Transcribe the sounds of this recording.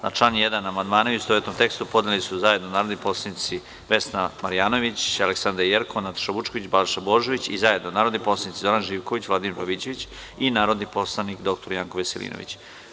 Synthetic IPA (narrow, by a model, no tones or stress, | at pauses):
naʈ͡ʂlˠaːnjed̪anaːmand̪maːnauust̪oʋet̪nomt̪ekst̪upo̞d̪nelisuzaje̞d̪nonaːɾod̪nipo̞slˠanit̪si | ʋe̞snamaɾijaːno̞ʋit͡ɕaleksand̪ɾajeɾkonat̪o̥ʃaʋut͡ʃkoʋit͡ɕbalʃaboʒo̞ʋit͡ɕizaje̞d̪nonaːɾod̪nipo̞slˠanit̪izo̞ɾanʒiːʋko̞ʋit͡ɕʋlˠad̪imiɾbaʋit͡ɕeʋit͡ɕ | inaːɾo̞d̪nipo̞slˠanikd̪o̞k̚t̪o̞ɾjaːŋkoʋeselḭːno̰ḭt͡ɕ